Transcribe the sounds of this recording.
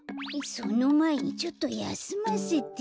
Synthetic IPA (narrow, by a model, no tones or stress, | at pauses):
isunũmait͡ʃot̪oja̰sɨmasit̪